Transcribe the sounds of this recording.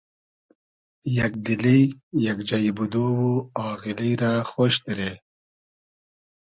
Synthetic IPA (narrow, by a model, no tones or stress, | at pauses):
jak̚d̪ilijjakd͡ʒajibud̪owuaɣɪlijɾaxoːʃt̪iɾe